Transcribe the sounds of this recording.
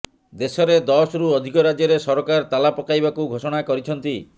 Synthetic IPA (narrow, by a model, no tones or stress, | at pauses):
d̪esɔɾed̪ɔsɾuɔd̪ʱikɔɾad͡ʒjɔɾesɔɾɔkaɾt̪alapɔkajbakuɡʱosɔɽ̃akɔɾit͡ʃʰɔnt̪i